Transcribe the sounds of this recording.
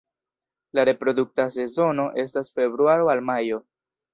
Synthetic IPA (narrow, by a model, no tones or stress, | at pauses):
laɾe̞pɾo̞duk̚tas̬e̞zo̞no̞ʔe̞s̬tasfe̞bɾuaɾo̞almajo̞